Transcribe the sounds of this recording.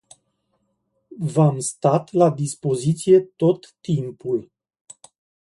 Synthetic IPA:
vamst̪at̪lad̪ispo̞zit̪sije̞t̪o̞t̪ːimpul

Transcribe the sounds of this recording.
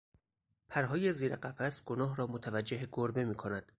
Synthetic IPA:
pʰæɾɦɒːje̞ziːɾeɢæfæsɡ̥onɒːɦɾɒːmot̪ʰævæd͡ʒːeɦeɡoɾbe̞miːkʰo̞næd̪̥

